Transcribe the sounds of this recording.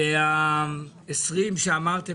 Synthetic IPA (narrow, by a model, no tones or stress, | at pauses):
ea | esʁimʃeamaʁt̪e